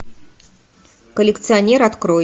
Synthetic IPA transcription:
kəlʲɪkt̪sɨɐnʲeɾat̪kɾo

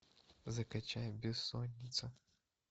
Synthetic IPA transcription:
zɐkɐt͡ɕajbʲɪsːonʲːɪt̪sə

